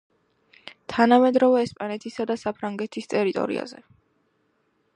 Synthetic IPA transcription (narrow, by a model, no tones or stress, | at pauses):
t̪ʰanamɛd̪ɾɔvɛːspʼanɛt̪ʰisad̪asapʰɾaŋɡɛt̪ʰist̪ʼɛɾit̪ʼɔ̰ɾḭa̰zɛ